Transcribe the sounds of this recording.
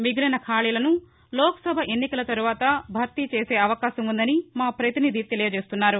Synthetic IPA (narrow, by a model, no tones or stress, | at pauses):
miɡulɐnɐkʰaːɭiːlɐnu | lɔːkɐ̥sɐbʱɐʔe̞nːikɐlɐt̪ɐɾuʋaːt̪ɐbʱɐɾt̪it͡ʃeːseːɐʋɐkaːʃɐmund̪ɐnimaːpɾɐt̪inid̪it̪elɐjɐt͡ʃeːst̪unːaːɾu